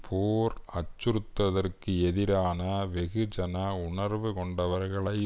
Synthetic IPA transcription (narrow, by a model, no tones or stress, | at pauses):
pʰoːɾɐt͡ʃːɯɾɯt̪ːɐðɐrkɯɛðɪɾaːnɐʋɛɣɯd͡ʒɐnɐʊɳɐɾʋɯkɔɳɖɐʋɐɾɣɐɭɐɪ